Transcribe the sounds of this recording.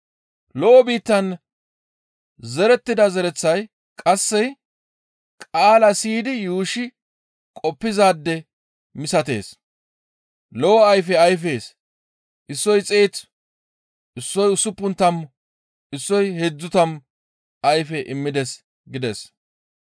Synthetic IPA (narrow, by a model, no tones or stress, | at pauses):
lɔʔɔbiːt̪ːɐn | zɛɾɛt̪ːɪd̪ɐzɛɾɛt͡sːɐj | kʼɐsːɛj | kʼaːlɐsiːd̪ɪjuːʃɪ | kʼɔpːɪzaːd̪ːɛ | mɪsɐt̪e̞̰ːs | lɔwɔɐjfɛɐjfeːs | ʔɪsːɔjt͡sʼeːt͡s | ʔɪsːɔjʊsːʊpːʊnt̪ːɐm | ɪsːɔjhɛd͡zːʊt̪ɐm | ɐjfɛʔɪmːɪd̪ɛs | ɡɪd̪ɛs